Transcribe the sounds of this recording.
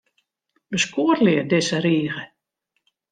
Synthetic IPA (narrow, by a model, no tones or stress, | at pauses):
bəskuərlɪərdɪsəɾiːɣə